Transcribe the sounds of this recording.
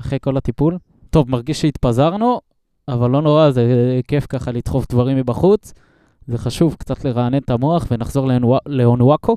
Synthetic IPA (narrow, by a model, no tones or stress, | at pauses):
aχejko̞lat̪ipul | t̪o̞vmaʁɡiʃʃeit̪pazaʁnu | avalːo̞no̞ʁazeke̞fkaχalit̪χo̞fd̪vaʁimːibaχut͡s | ze̞χaʃuvkt͡sat̪le̞ʁaːne̞nt̪amoaχve̞naχzo̞ʁleleonuakʰo